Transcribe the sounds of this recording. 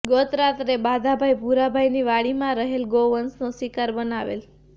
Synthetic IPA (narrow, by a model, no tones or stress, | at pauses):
ɡot̪ɾat̪ɾebad̪ʱabʱajpuɾabʱajniʋaɭimãɾəɦelɡoʋənsnosʋikaɾbənaʋḛl